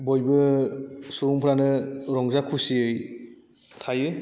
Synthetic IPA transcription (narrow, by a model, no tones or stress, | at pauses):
bojbɯ | suɾuŋpʰɾanɯɾɔŋzakʰusiɯj | tʰajɯ